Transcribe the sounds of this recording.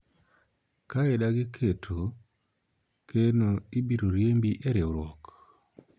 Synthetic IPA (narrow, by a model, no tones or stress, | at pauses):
kaedaɡɪkʰetʰo | kʰenoibiɾoɾjembiʔeɾeoɾwɔk